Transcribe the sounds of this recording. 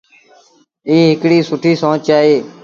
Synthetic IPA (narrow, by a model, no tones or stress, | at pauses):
iːɦɪkɽiːsʊʈʰiːsõːt͡ʃaːɦeː